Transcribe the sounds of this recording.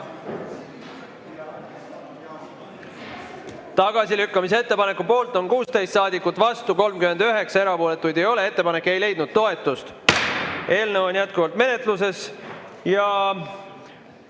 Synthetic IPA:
t̪ɑɡ̥ɑsilykːɑmis̬ee̞t̪ːe̞pɑne̞kːˑupo̞ːlt̪ˑo̞nkuːst̪e̞jst̪sɑːd̪ikːˑut̪ːˑvɑst̪uko̞lmkyme̞nd̪yɦe̞ksɑe̞ɾɑpo̞ːle̞t̪ːˑujd̪̥e̞jo̞le̞e̞t̪ːe̞pɑne̞kːˑe̞jle̞jd̪̥nud̪̥t̪o̞e̞t̪ːˑust̪ | ʔe̞ːlnevo̞nʲjæt̪̚kuvɑlt̪me̞ne̞t̪lus̬e̞s | jɑ

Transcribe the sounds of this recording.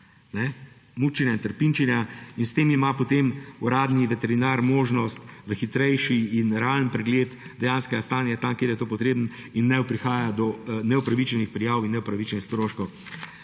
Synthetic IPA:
nɛ | mut͡ʃinʲjaint̪əɾpint͡ʃinjainst̪eːmimapot̪emuɾaːd̪niʋɛt̪ɛɾinaɾmoːʒnɔst̪ʋəxit̪ɾɛjʃiːnɾɛalənpɾɛɡleːt̪d̪ɛjanskɛɡast̪aːnjat̪amkeːɾjɛt̪oːpɔt̪ɾeːbəninːɛʊpɾixaːjad̪ɔnɛupɾaʋit͡ʃɛnixpɾijaːwinːɛupɾaʋit͡ʃɛnixst̪ɾoːʃkɔw

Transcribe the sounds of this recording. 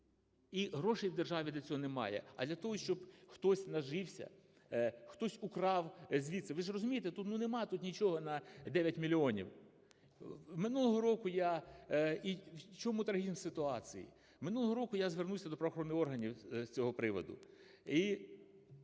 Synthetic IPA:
iɦɾɔʃejwd̪erʒɑʋʲid̪lʲɐt͡sʲɔɦɔnemɑ̰jɛ̰ɐ̰d̪lʲɐt̪ɔɦɔʃt͡ʃɔbxt̪ɔsʲnɐʒɪwsʲɐ̰ | xt̪ɔsʲʊkɾɑwzʲʋʲit̪sɛʋɪʒrɔzʊmʲijet̪ɛt̪ut̪nunemɑt̪ut̪nʲit͡ʃɔɦɔnɐd̪ɛʋʲjɐtʲmʲilʲiɔnʲḭw | mɪnulˠɔɦɔɾɔkʊja | iwt͡ʃɔmʊt̪ɾɐɦizmsɪt̪ʊɑt͡sʲijḭ | mɪnulˠɦɔɾɔkʊjazʋernuwsʲɐd̪ɔpɾɐʋɔxɔɾɔnːɪɔrɦɐnʲiwsʲt͡sʲɔɦɔpɾɪʋɔ̰d̪ʊ̰ | i

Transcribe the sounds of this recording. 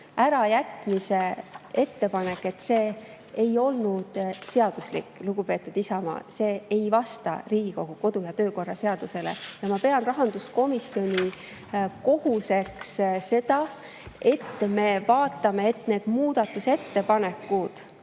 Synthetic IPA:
æɾɑjæt̪ˑmise̞e̞t̪ːe̞pɑne̞kːˑe̞t̪ːse̞ː | ejo̞lnud̪̥se̞ɑd̪uslḭkːˑluɡ̥upe̞ːt̪ːˑud̪̥isɑmɑ̰ːse̞ːejvɑst̪ɑ̰riːɡ̥iko̞ɡ̥uko̞d̪̥ujɑt̪ø̞ːko̞rːɑse̞ɑd̪̥use̞le̞̰jɑmɑpe̞ɑnrɑɦɑnd̪̥usko̞misjo̞nʲi | ko̞huse̞ksse̞d̪̥ɑ | e̞t̪ːme̞vɑːt̪ːˑɑme̞et̪ːˑne̞ːd̪̥muːd̪̥ɑt̪ːˑuse̞t̪ːe̞pɑne̞kːˑud̪̥

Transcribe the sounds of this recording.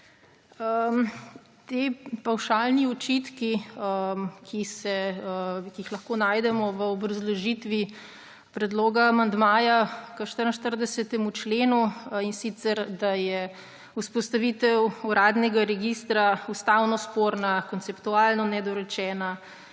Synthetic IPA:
əm | t̪eːpawʃaːlniɔt͡ʃit̪kiəkʰisɛ | kiixlɐxkoːnaːjd̪ɛmɔʋəɔbɾɐzlɔʒit̪ʋi | pɾɛd̪loːɡaːmand̪maːjakəʃt̪əɾənʃt̪əɾd̪ɛsɛt̪ɛmut͡ʃleːnuinsit̪sɛɾd̪ajɛ | uspɔst̪aʋit̪ɛwuɾaːd̪nɛɡaɾɛɡist̪ɾaust̪aːwnɔspoɾnakɔnt̪sɛpt̪ualnɔnɛd̪ɔɾɛt͡ʃɛːna

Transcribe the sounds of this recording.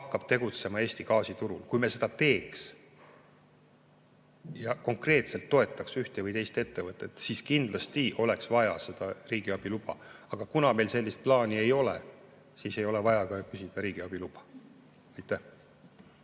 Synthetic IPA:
hɑkːɑb̥̚t̪e̞ɡ̥ut̪se̞mɑe̞ːst̪ikɑːsit̪uɾulkujme̞sed̪ɑt̪e̞ːks | jɑko̞ŋkre̞ːt̪se̞lt̪ːo̞e̞t̪ːˑɑksyht̪evɯjt̪e̞jst̪e̞t̪ːe̞vɤt̪ːˑet̪ˑsiskind̪̥lɑst̪iʔo̞le̞ksvɑjɑ̰se̞d̪̥ɑriːɡ̥iɑb̥ilub̥ɑ̰ɑɡ̥ɑkunɑme̞lse̞lːist̪̚plɑːnie̞jo̞lḛ | siːse̞jo̞le̞vɑjɑkɑkysid̪̥ɑɾiːɡ̥iɑb̥ilub̥ɑ̥ | ɑjt̪ːˑæh

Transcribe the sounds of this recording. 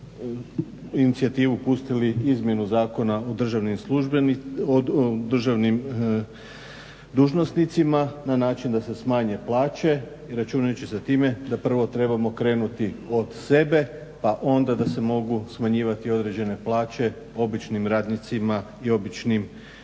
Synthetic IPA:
init̪siat̪iːʋupust̪iliizmje̞nuzaːko̞naod̪r̩ʒaʋnimsluʒ | d̪r̩ʒaʋnim | d̪uːʒno̞snit̪simananaːt͡ʃind̪ase̞smaːɲe̞plaːt͡ɕe̞ | iɾat͡ʃuːnajut͡ɕeset̪iːme̞d̪apr̩ʋo̞t̪ɾe̞bamo̞kɾe̞ːnut̪io̞d̪se̞be̞ | paʔo̞nd̪ad̪ase̞mo̞ɡusmaɲiːʋat̪io̞d̪ɾe̞d͡ʑe̞ne̞plaːt͡ɕe̞ | o̞bit͡ʃnimɾaːd̪nit̪simaio̞bit͡ʃnim

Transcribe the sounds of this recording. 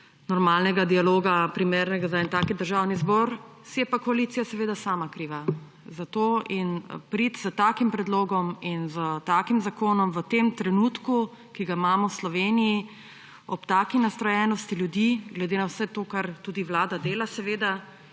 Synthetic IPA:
nɔɾmaːlnɛɡad̪ialoːɡapɾimeːɾnɛɡazaɛnt̪aːkid̪əɾʒawnizbɔɾ | sijɛpakɔaliːt̪sijasɛʋeːd̪asaːmakɾiːʋa | zat̪oːinpɾit̪zət̪aːkimpɾɛd̪loːɡɔminzət̪aːkimzakoːnɔmʋət̪emt̪ɾɛnuːt̪ku | kiɡaimaːmɔwslɔʋeːniji | ɔpt̪aːkinast̪ɾɔjɛːnɔst̪iljud̪iɡlɛd̪eːnawsɛt̪oːkaɾt̪uːd̪iʋlaːd̪ad̪eːlasɛʋeːd̪a

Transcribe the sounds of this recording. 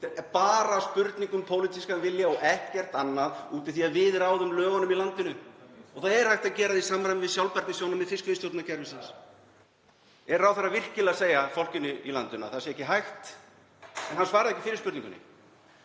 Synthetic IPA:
paːɾaːspʏɾt̪niŋkʏmpʰoːwlit̪iskavɪljaɔɣɛht̪cɛr̥t̪anːaðuːt̪ɪ̥θiaðvɪːðɪɾaːwðʏmlœːɣanʏmilant̪ɪnʏɔɣθaðɛɾ̥hajht̪aðcɛːɾaðisaːmɾajmvɪðsjawlpaɾk̪nɪsjownamɛðfɪskvɪst̪jowt̪nacɛɾvɪsɪns | ɛɾawθaɾːavɪr̥cɪlaseːjafowl̥cɪnːʏila̰nt̪ʏna̰θasjɛɛhcːɪɦajxt̪ | ɛnɦansvaːɾɪðɛhcːɪfɪːɾɪ̥ɾspʏɾt̪ĩŋkʏnɪ̰

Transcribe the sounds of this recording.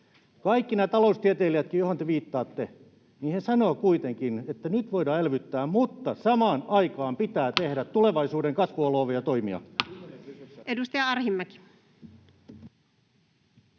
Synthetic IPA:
kɑikːinæt̪ɑloust̪iæt̪eːliæt̪̚kijohont̪eʋiːt̪ːɑːt̪ːe | niːnhesɑnoːkuit̪eŋkinet̪ːænyt̪ʋoidɑːelʋyt̪ːæːmmut̪ːɑsɑmɑːnɑikɑːmpit̪æːt̪ehɾæt̪t̪ːuleʋɑisuːdeŋkɑsʋuɑloːʋejɑt̪oimḭɑ̰ | edust̪ɑjɑɑrhimːæki̥

